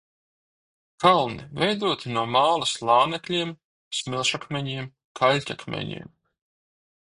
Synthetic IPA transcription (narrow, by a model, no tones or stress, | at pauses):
kalˠnḭvʲɛjd̪uɔt̪inuɔmaːlˠaslˠaːnɛklʲiɛm | smʲilˠʃakmʲɛɲiɛm | kʰalʲcʲakmʲɛ̰ɲḭɛm